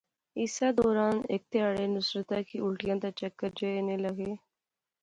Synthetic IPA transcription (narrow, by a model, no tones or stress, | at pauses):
ɪːsaːd̪ɔːɾaːnḛk̚t̪ɪjaːɽeːnʊsɾət̪ɛːkiʊlʈɪjãːd̪aːt͡ʃəkːəɾd͡ʒeːɪnẽːləɡeː